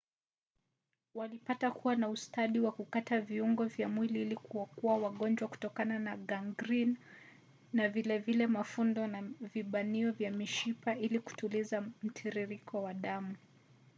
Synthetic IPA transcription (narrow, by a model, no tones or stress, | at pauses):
walipatakuwanaustaɗiwakukataviuŋɡɔvjamwiliilikuwakuawaɠɔnd͡ʒwaku̥tɔkananaɡaŋɡɾinː | avilɛvilɛmafundɔnaviɓaniɔvjamiʃipailiku̥tulizam̩tʰiɾiɾikʰɔwaɗamu